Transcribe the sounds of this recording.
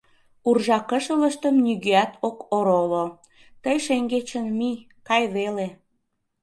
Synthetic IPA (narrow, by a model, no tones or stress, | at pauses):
urʒɑkəʃələʃt̪əmnyɣøæt̪ʰokoɾolo | t̪əjʃeŋɡet͡ɕənmi | kɑjβele